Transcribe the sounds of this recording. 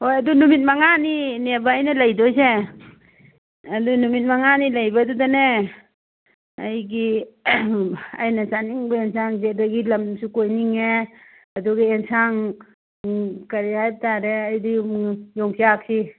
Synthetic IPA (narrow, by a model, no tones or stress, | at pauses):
hojɐdunumit̚maŋaninebaːjnalɐjdɔse | ɐdunumit̚maŋanilajbadudane | ajɡi | ajnasaniŋbaensaŋzet̚daɡilɐmsukojniŋe | ɐduɡaensaŋ | kaɾihajp̚taɾeajdijɔŋsiak̚si